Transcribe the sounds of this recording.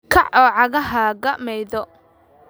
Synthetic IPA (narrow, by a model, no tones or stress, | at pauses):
kʰɐʕʔɔːʕɑɣɐɦaːɣɐmɛjðɔ